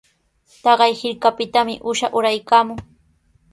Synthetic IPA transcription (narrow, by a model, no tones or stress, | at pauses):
t̪ɑɢɑjhɪɾkapɪt̪amɪʔʊʃaʔʊɾajkaːmʊŋ